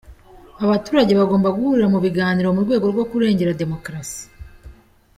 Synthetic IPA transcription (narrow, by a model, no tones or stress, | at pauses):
aβatuːɾaɟe̞βaɡo̞ːmbaɡuhuɾiɾamuβiɡaːniɾo̞muɾɡwe̞ːɡo̞ɾɡwo̞kuɾe̞ːɲɟe̞ɾade̞mo̞kɾasi̥